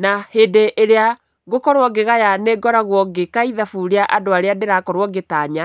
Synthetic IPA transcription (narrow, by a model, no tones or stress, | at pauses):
nahedeʔeɾea | ɣokɔɾwɔɡeɣajaneɡɔɾaɣwɔɡekaiðafuɾeaʔadoaɾeadeɾakɔɾwɔɡetaːɲa